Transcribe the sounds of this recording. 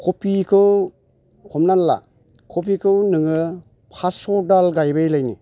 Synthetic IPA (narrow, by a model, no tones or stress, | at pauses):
kʰopikʰɯw | kʰɔmnanla̰ | kʰop̬ikʰɯwnɯŋɯ | pʰasɔdalɡajbɯjlajnḭ